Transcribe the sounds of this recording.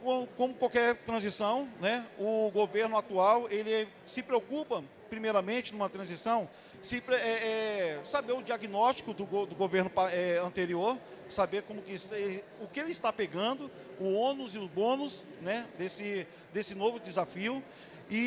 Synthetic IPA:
kõkõmʊkwawkɛɾt̪ɾɐ̃zisɐ̃w̃nɛʊɡoveɾnʊat̪uawelɪ | sɪpɾeokupɐ | pɾimejɾɐmẽnt͡ʃɪnũmɐt̪ɾɐ̃zisɐ̃w̃ | sɪpɛɛsabeɾʊd͡ʒiaɡinɔst͡ʃi̥kʊd̪ʊɡod̪ʊɡoveɾnʊpaɛɐ̃nt̪eɾioɾ | sabeɾkõmʊkɪsɛʊkɪelɪst̪apeɡɐ̃nd̪ʊ | ʊõnʊzɪʊzbõnʊs | nɛd̪esɪ | d̪esɪnovʊd̪ɪzafiʊ | ɪ

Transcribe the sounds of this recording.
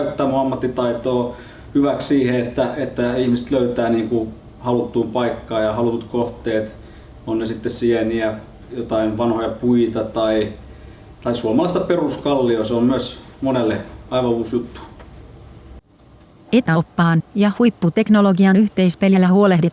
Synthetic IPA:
yt̪ːæːmuɑmːɑt̪ːit̪ɑit̪oː | hyʋækssiːheet̪ːæet̪ːæihmiset̪løyt̪æːniːŋku | hɑlut̪ːuːmpɑikːɑːjɑhɑlut̪ut̪koht̪ˑeːt̪ | onnesit̪ːessiɛniæ | jot̪ɑinʋɑnhojɑpuit̪ɑt̪ɑi | t̪ɑisuomɑlɑˑist̪ɑperuskɑlːioseommyøsmonelːeɑiʋɑuːsjut̪ːu̥ | et̪opːɑːnjɑhujpːut̪e̞knoloɡiɑnyçt̪eispeljælæhuolehdet̪ː

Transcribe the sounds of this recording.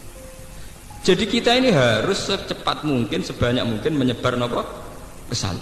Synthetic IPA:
d̥ʒ̥a̤di̤kit̪ainiɦaɾʊst͡ʃəpat̪̚muŋkɪnsəb̥a̤ɲa̰ʔmuŋkɪnməɲəb̥a̤rnɔpɔ | kəsa̰l

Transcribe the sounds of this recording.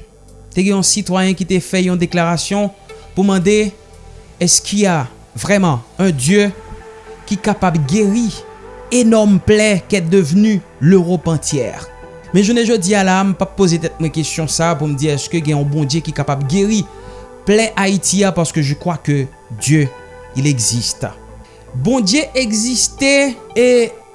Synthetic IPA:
t̪eɡɛ̃ɔ̃sit̪wajɛ̃kit̪efɛɔ̃d̪eklaʁasjɔ̃puʁmɑ̃d̪e | ɛskʰilja | vʁɛmɑ̃ɛ̃d̪jø | kʲikapablɡeʁienɔʁmplɛkɛt̚d̪əvny | løʁɔpɑ̃t̪jɛ̰ːʁ | mɛʒənɛʒod̪ialaməpapːozet̪ɛt̪̚mwɛ̃kest̪jɔ̃sapuʁməd̪iʁɛskəɡɛ̃ɛ̃bɔ̃d̪jekʲikapablɡeʁi | plɛʔait̪iapaʁsə̥kəʒəkχwakə | d̪jø | ilɛɡzist̪ | bɔ̃d̪jeʔɛɡzist̪ee

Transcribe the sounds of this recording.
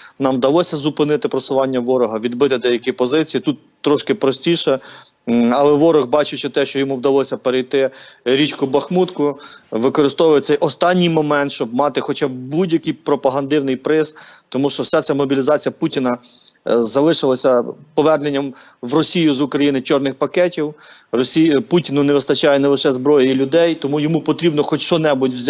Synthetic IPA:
nɑmd̪ɐlˠɔsʲɐzʊpɪnɪt̪ɪpɾɔsʊʋɑnʲːɐʋɔɾɔɦɐʋʲid̪̚bɪt̪ɪd̪ɛjɐkʲipɔzɪt͡sʲijit̪ut̪ːɾɔʃkɪpɾɔsʲtʲiʃɛ | ɐlˠɛʋɔɾɔɣbɑt͡ʃɪt͡ʃɪt̪ɛʃt͡ʃɔjɔmuwd̪ɐlˠɔsʲɐpeɾejt̪ɪɾʲit͡ʃkʊbɐxmut̪kʊʋɪkɔɾɪst̪ɔʋʊjtsɛjʔɔst̪ɑnʲːijmɔmɛnt̪ʃt͡ʃɔb̚mɑt̪ɪxɔt͡ʃɑbbudʲjɐkɨjpɾɔpɐɦɐnd̪ɪwnɪjpɾɪst̪ɔmuʃt͡ʃɔwsʲat̪sʲɛmɔbʲilʲizɑt͡sʲijɐputʲinɐ | zɐlˠɪʃɪlˠɐsʲɐpɔʋɛrnenʲːɐm | ʋrɔsʲijʊzʊkɾɐjinɪt͡ʃɔrnɪxpɐkɛtʲiwrɔsʲiputʲinʊneʋɪst̪ɐt͡ʃɑjɛnɛlˠɪʃɛzbɾɔjɐjilʲʊd̪ɛjt̪ɔmujɔmupɔt̪ɾʲibnɔxɔt͡ʃʃɔnɛbʊtʲwzʲ

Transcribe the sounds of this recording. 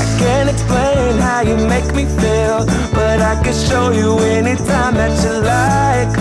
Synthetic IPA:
aɪkæ̃ntɨksplẽɪ̃nɦaʊjɨmeɪkmifi | lˠ | b̥ʌɾaɪkɨ̃nʃoʊjɨ | ɛnitʰãɪ̃mðɨt͡ʃɨla | ɪɪk

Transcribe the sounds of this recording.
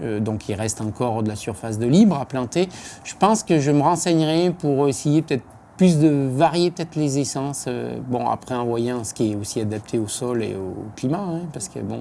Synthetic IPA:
ød̪ɔ̃kʰilʁɛst̪ɑ̃kɔʁd̪əlasyʁfas̬d̪əlibʁaplɑ̃t̪eʒ̥əpɑ̃skəʒəməʁɑ̃sɛɲʁɛpuʁesejepət̪ɛt̪χ | plys̬d̪əvaʁjepət̪ɛt̪χlezesɑ̃sø̰bɔ̃a̰pχɛɛ̃vwajɛ̃sə̥kʲiɛosiad̪ap̚t̪ʰeosɔlḛoklimaɛ̃paʁskə̰bɔ̃

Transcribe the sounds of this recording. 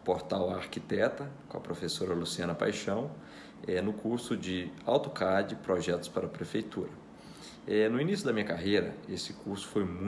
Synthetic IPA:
poɾt̪awaɾkit̪ɛt̪ɐkõ̰ɐpɾofesoɾɐlusiɐ̃nɐpa̰jʃɐ̃w̃ | ɛnʊkuɾsʊd͡ʒɪawt̪ʊ̥kad͡ʒɪpɾɔʒɛt̪ʊ̥spaɾɐpɾefejt̪uɾɐ | ɛnʊinisjʊd̪ɐmĩɲɐkaɦejɾɐesɪ̥kuɾsʊ̥fojmũ

